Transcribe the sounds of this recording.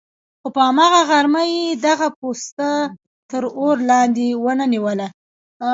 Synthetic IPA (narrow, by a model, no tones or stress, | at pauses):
xopəamɑɣaɣaɾməjed̪aɣap̚ost̪a | t̪əɾoɾlɑnd̪ewənaniwəla